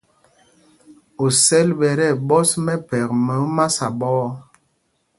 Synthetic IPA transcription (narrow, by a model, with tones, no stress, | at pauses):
o˨sɛ˦lɓɛ˨ɾɛ˦˨ɓɔ˦smɛ˦pɛ˨k̚mɛ˨˦ma˦sa˨ɓɔ˦ɔ˦